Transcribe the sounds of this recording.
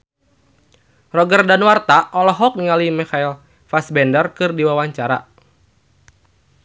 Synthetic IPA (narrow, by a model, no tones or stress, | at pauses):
rɔɡərdanwart̪aʔɔlɔɦɔk̚niŋalimixail | fasbɛndərkɨrdiwawaɲt͡ʃaɾa̰